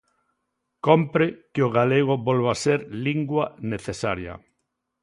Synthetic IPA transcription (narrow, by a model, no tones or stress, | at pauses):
kompɾɪkɪoɣaleɣ̞obolβaseɾliŋɡwaneθesaɾjɐ̰